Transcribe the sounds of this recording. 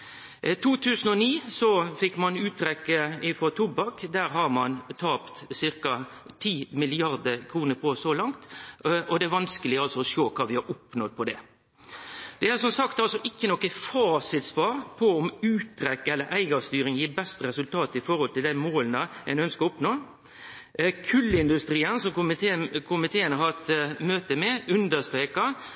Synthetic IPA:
t̪ʰuːt̪ʰʉːsən̩ɔniːsɔfɪkːmɑnʉːt̪ɾɛkːəɪnfʁɔt̪ʰʊbɑkd̪æːɾɦɑɾmɑnt̪ʰɑːpt̪sɪɾkɑ | t̪ʰiːmɪlɪɑɾd̪əkʰɾuːnəɾpʰɔsɔlɑŋt̪ɔd̪ɛæɾʋɑnskəlɪɡɑlsɔɔʃoːkʰɑːʋɪhɑɾʊpnɔd̪̚pʰɔd̪ɛ | d̪̥ɛæsɔmsɑkt̪ɑlsɔʔɪkːənɔkːəfɑːsɪt̪spɑːɾpʰɔɔmʉːt̪ʰːɾɛkːɛlːəɾʔæɪɡɑst̪yːɾɪŋjiːɾbɛst̪əɾɛsʉlt̪ʰɑːt̪ɪfɔɾɔlt̪ɪld̪æɪmoːlnəɛɪnœnskəɾʊpnoː | kʰʉlːəɪnd̪ʉst̪ɾiːənsɔmʊmɪkʰʊmɪt̪ʰeːənəɦɑt̪møːt̪əmɛʉnd̪əst̪ɾeːkɑ

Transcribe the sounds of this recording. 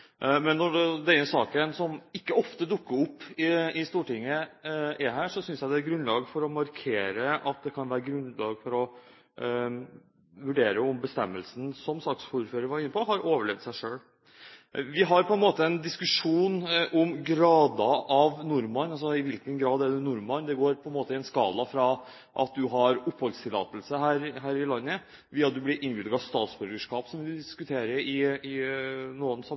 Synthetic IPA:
mɛnːɔd̪ɛɛsɑːkənsɔmɪkːəɔft̪əd̪ʊkːəɾʊpːɪɪst̪uːʈɪŋːəʔɛɦæːʂɔsʏnsjæɪd̪ɛt̪̚ɡɾʉnlɑːɡfɔɾɔmɑɾkʰeːɾəʔɑt̪̚d̪ɛkʰɑnʋæːɾəɡɾʉnlɑːɡfɔɾɔ | ʋʉɖeːɾəɔmbəst̪ɛmːəlsn̩sɔmslɑksfuɾføːɾəɾʋɑɾɪnːəpʰɔɦɑɾʔoːʋəɭɛʋd̪sæɪʂøːɽ | ʋɪɦɑɾpʰɔɛnmoːt̪əɛnd̪ɪskʉʂuːnʔɔmɡɾɑːd̪ɑʔɑʋnʊɾmɑnɑls̬ɔɪʋɪlkənɡɾɑːd̪æɖ̪ʉnʊɾmɑnd̪ɛɡoːɾpʰɔɛnmoːt̪əɪɛnskɑːlɑfɾɑ | ʔɑt̪̚d̪ʉɦɑɾʊpːhɔlst̪ʰɪlːɑ̰ːt̪əlsəɦæːɾɦæːɾɪlɑnːə | ʋiːɑt̪̚d̪ʉblɪɾʔɪnʋbɪːd̪əɡɑʋst̪ɑːt̪sbœɾɡəʂkɑːpsɔmʋɪd̪ɪskʉt̪ʰeːɾəɾɪɪnuːənsɑ

